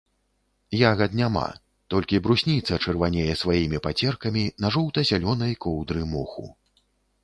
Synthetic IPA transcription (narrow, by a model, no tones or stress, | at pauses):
jaɣɐd̪nʲama̰ | t̪ɔlʲkʲibɾusʲnʲit̪sɐt͡ʂɛrvanʲɛjɛsvajimʲipat͡sʲɛrkɐmʲinɐʐɔwt̪ɐzʲalʲɔn̪ɐjkɔwd̪ɾɨmɔxṵ